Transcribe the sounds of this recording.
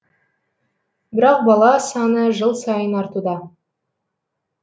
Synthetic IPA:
bɪɾɑq̚bɑlˠɑsɑnəʒəlˠsɑjənɑɾt̪ud̪ɑ

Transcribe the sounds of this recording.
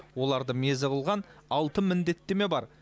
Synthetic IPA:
wo̞lˠɑɾd̪əme̞zɪqəlˠʁɑnɑlˠt̪əmɪnd̪e̞t̪ːeme̞bɑɾ

